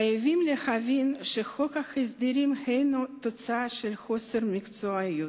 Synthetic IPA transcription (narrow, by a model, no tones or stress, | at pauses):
ajevimlehavinʃexo̞kaxesd̪iɾimhejnut̪o̞t͡saaʃelxo̞seɾmikt͡soaju